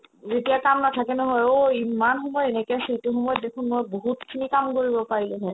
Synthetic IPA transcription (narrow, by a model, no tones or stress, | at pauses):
zetijakamnatʰakɛnɔɦɔjoimanxɔmɔjenɛkɔjasituxɔmɔjɔtdekʰunmojboɦutkʰinikamkoɹibɔpaɹilɛ̃ɦɛ̃